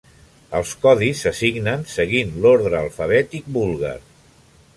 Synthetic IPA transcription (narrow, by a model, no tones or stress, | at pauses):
əlˠskɔðisːəsiɡnənsəɣinloɾðɾəːlˠfəβ̞ɛt̪ik̚bulˠɣa̰ɾ